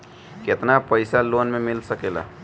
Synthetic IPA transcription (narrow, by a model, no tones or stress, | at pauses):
ket̪napəɪsalonmemɪlsəkela̰